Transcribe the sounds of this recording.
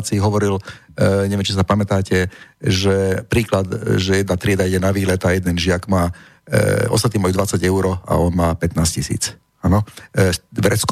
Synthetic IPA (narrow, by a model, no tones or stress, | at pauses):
t͡siːɦɔʋɔɾil | ɲɛʋɛmt͡ʃis̬apamɛt̪aːcɛʒɛpɾiːklad̪ʒɛjɛd̪nat̪ɾɪɛd̪aiɟɛnaʋiːlɛt̪ajɛd̪ɛnʒɪakmaː | ɔ̰st̪at̪iːmajud̪ʋat͡saɟɛʊɾɔa̰ɔnmaːpɛt̪naːscisḭːt͡s | anɔ | ʋɾɛt͡sk